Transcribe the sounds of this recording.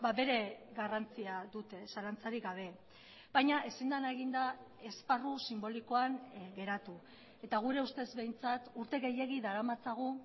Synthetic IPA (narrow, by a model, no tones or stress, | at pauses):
baβe̞ɾe̞ɣarant͡siaðut̪e̞salant͡saɾiɣaβ̞e̞ | b̥ajɲaʔe̞sind̪anaeɣind̪a | e̞sparusimbo̞liko̞aŋɡe̞ɾat̪u | e̞t̪aɣ̞uɾe̞ust̪e̞zβe̞jnt͡sat̪uɾt̪e̞ɣe̞je̞ɣiðaɾamat͡saɣ̞u